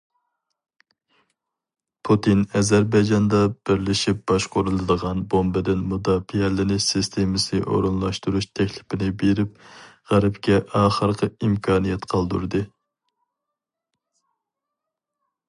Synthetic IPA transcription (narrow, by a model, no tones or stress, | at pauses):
pʰut̪ʰinɛzæɾbɑjd͡ʒɑnd̪ɑb̥ɪɾlɪʃip̚b̥ɑʃqoɾulˠɨd̪əʁɑnbombɪd̪ɪnmud̪ɑːfiɛlɪnɪsist̪ʰemɪsɨnɨʔo̰ɾunlˠɑʃt̪uɾuʃt̪ʰɛkʲlɪpɪnɪbeɾɪp̚ʁæɾɪpkʲɛʔɑːχəɾqʰəimkʰɑːnijɛt̪qʰɑlˠd̪uɾd̪ɨ